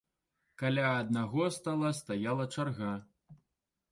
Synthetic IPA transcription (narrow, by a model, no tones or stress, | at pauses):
kalʲaɐd̪̚naɣɔst̪alˠɐst̪ajalˠɐt͡ʂarɣa